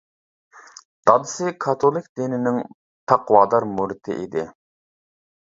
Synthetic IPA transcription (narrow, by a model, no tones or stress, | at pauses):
d̪̥ɑd̪ɨsɨkʰɑt̪ʰolˠɪkʲd̪inɪnɪŋ | t̪ʰɑqwɑːd̪ɑɾmuɾɪt̪ʰɪ̰ʔḭd̪ɪ